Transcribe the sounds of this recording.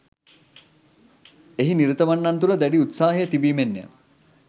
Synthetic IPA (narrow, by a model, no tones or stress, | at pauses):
eɦiniɾət̪əʋanːɐnt̪uləd̪æɖiut̪saːɦejət̪ibiːmenːḛmə